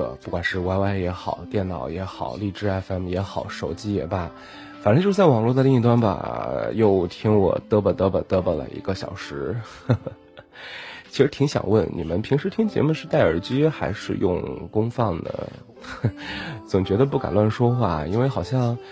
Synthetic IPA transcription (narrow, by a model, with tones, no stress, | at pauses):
ə̰˧˩pu˥˩kwa˨˩nʂɻ̩˥˧wa˥˧ɪwa˥˩ɪjɛ˧˥xɑ˨˩ʊt̪jɛ˥˩nnɑ˨˩ʊjɛ˧˥xɑ˨˩˦ʊli˥˩ʈ͡ʂɻ̩˥ɛ˥˩fɛ˥˩mjɛ˧˥xɑ˨˩˦ʊʂo˨˩ʊt͡ɕi˥ɛ˨˩bɐ˧˩ | fa˨˩n˧˥t͡ɕjt͡sa˥˩ɪwɑ˨˩ŋlwɔ˥˩d̪ə˧li˥˧ŋi˧˥t̪wa˥nbɐ̰˨˩jo˥˧ʊt̪ʰi˥ŋwɔ̰˨˩t̪ɤ˥bə˨˩t̪ɤ˥bə˨˩t̪ɤ˥bə˨˩lə̰˩ʔḭ˧˥ɡə˧ɕjɑ̰˨˩ʊʂɻ̩˧˥ | t͡ɕʰi˧˥ʂɻ̩˧˥t̪ʰi˧˥ŋɕjɑ̰˨˩ŋwə˥˩nnʔḭ˨˩mə̰˦npʰi˧˥ŋʂɻ̩˧˥t̪ʰi˥ŋt͡ɕjɛ̰˧˥mu˧ʂɻ̩˥˧t̪a˥˩ɪə˞˨˩t͡ɕy˥xa˧˥ɪʂɻ̩̰˥˧jʊ̰˥˧ŋkʊ˥ŋfɑ˥˩ŋd̪ə̰˩ | t͡sʊ˨˩ŋt͡ɕɥɛ˧˥d̪ə˧p̬u˥˩ka̰˨˩nlwa˥˩nʂwɔ˥xwa˥˩i˥nwe˥˩ɪxɑ˨˩ʊɕjɑ˥˧ŋ